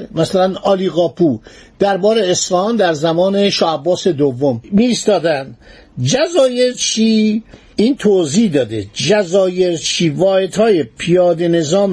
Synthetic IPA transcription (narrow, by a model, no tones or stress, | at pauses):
mæsælænɒːliːɣɒːpʰud̪̥æɾbɒːɾeːsfæhɒːnd̪æɾzæmɒːne̞ʃɒːæbːɒːse̞d̪ovːommiːst̪ɒːd̪ænd̪ | d͡ʒæzɒːje̞ɾt͡ʃʰiː | iːnt̪ʰoziːd̪ɒːd̪ḛd͡ʒæzɒːje̞ɾt͡ʃʰiːvɒːjet̪hɒːjepʰijɒːd̪e̞ne̞zɒːm